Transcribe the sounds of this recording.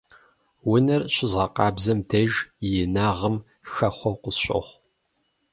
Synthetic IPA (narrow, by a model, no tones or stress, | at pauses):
wʊnɐrɕɪzʁɐqɑːbzɐmdʰɐʒjɛnaːʁəm | xɐχʷɔqʷʊsɕʷʼɐ̰χʷ